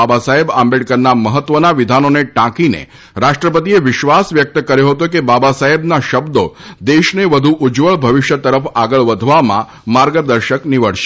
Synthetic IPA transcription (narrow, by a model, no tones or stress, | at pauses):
abasaɦebambeɖkəɾnaməɦət̪ʋənaʋid̪ʱanoneʈãkinḛ | ɾaʃʈɾəpət̪̬ieʋɪʃʋasʋjək̚t̪kəɾjoɦət̪ok̬ebabasaɦebnaʃəbd̪od̪eʃneʋəd̪ʱuʔud͡ʒʋəɭbʱəʋiʃjət̪əɾəfaɡəɭʋəd̪ʱʋamã̰ | maɾɡəd̪əɾʃəkniʋəɽ̤ʃe̥